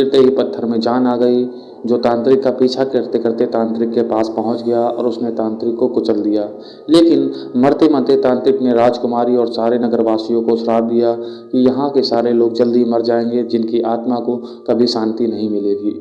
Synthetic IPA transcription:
kɪɾt̪eɦipɐt̪ʰːəɾmẽd͡ʒaːnaːɡɐi | d͡ʒoːt̪ãːnt̪ɾɪkːapiːt͡ʃʰakɪɾt̪ekəɾt̪et̪ãːnt̪ɾɪkːepaːspɐɦʊ̃t͡ʃɡɐjaɔ̰ːɾʊsnet̪ãːnt̪ɾɪkːõkʊt͡ʃəld̪ijaː | leːkɪn | mɐɾt̪emə̃nt̪et̪ãːnt̪ɾɪkneɾaːd͡ʒkʊmaːɾiɔːɾsaːɾenɐɡəɾʋaːsijõkosɾaːbd̪ijakijɐɦãkesaːɾeloːɡ̚d͡ʒɐld̪imɐɾd͡ʒaːẽːŋ̆ɡed͡ʒɪnkiʔaːt̪mako | kɐbʱisãːnt̪inɐɦĩmɪleːɡiː

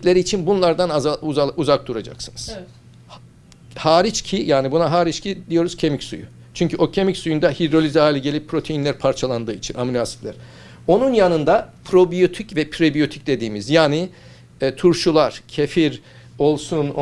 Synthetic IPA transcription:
lʲe̞ɾiːt͡ʃʰinbunlˠaɾd̪anaauauzak̚d̪uɾad͡ʒa̰ksɯnɯz̥ | h | haːɾit͡ʃcʰijaːnibunaɦaːɾit͡ʃcʰid̪ijo̞ɾuz̥cʰe̞micsṵjʊ̰ | t͡ʃʰyɲcʰyo̞cʰe̞micsujund̪ahid̪ɾo̞lʲizaːlʲɛɟe̞lʲipʰːɾo̞t̪ʰejinlʲæɾpʰaɾt͡ʃʰalˠand̪ɯːit͡ʃʰina̰mnʲasi̥plʲæɾ̥ | o̞nunjanɯnd̪apʰɾo̞bijo̞t̪ʰicvɛpʰɾo̞bijo̞t̪ʰi̥c̚d̪e̞d̪iːmizjaːni | t̪ʰuɾʃulˠaɾ̥cʰefiɾ | o̞lˠsun

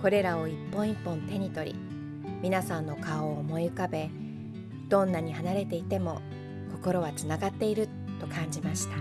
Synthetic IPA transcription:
ko̞ɾe̞ɾao̞ipːõ̞ipːõ̞nt̪e̞ɲ̟it̪o̞ɾʲḭ | mʲinasãnːo̞kaoːmo̞iɯkabe̞ | d̪̥õ̞nːaɲ̟ihanaɾe̞t̪e̞it̪e̞mo̞ | ko̞ko̞ɾo̞βat͡sɨnaɡat̪ːe̞iɾɯ̟ | t̪ːo̞kʰãɲ̟d͡ʑimaɕi̥t̪ḁ

